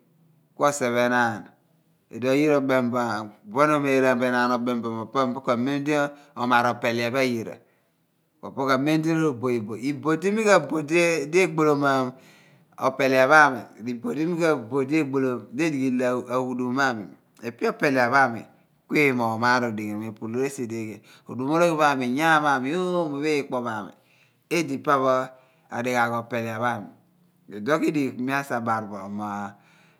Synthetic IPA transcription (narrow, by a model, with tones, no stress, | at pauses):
ko˦se˨βe˨na˦˨n˨ | ḛ˨do˨ji˦ɾo˨be˨mba˨bo˦n˦o˦me˨ɾa˨be˨na˨no˨be˨mbo˨mo˨po˦bo˦ka˨me˦n˦di˦ | o˨ma˨ɾo˨pe˨li˨a˨ba˦˨ji˨ɾa̰˨ | ko̰˨po˦ka˨me˦n˦di˦ɾo˨bo˨i˨bo˨i˨bo˨di˦mi˦ka˨bo˨dde˦ɡ͡bo˨lo˨ma˨ | o̰˨pe˨li˨a˨βa˦mḭ˨di˨bo˨di˦mi˦ka˦bo˨de˦ɡ͡bo˨lo˨de˦di˨ɡi˨la˨wu˨du˨˦ma˦mḭ˨ | e˨pi˦o˦pe˨le˨a˨βa˦mḭ˨ | kʷe˦˨mo˨ma˦ɾo˨di˨e˨me˨pu˨lo˦ɾe˦se˨de˦ke˨ | o̰˨du˨mo˦ɾo˦ke˦ba˦˨mi˨ja˦˨ma˦mi˨o˦mo˨be˦k͡po˨ma˨mḭ˨ | e˦di˨pa˦βo˦ | a̰˨de˨ka˨ko˨pe˨le˨a˨βa˦mḭ˨ | e˨do˦ki˦di˨mi˦a˦sa˨ba˨ɾbo˨ma˨